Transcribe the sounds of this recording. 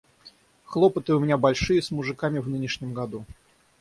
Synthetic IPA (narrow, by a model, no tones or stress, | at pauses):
xlˠopət̪əʊmʲɪnʲabɐlʲʂɨjəsmʊʐɨkamʲɪvnɨnʲɪʂnʲɪmɡɐd̪u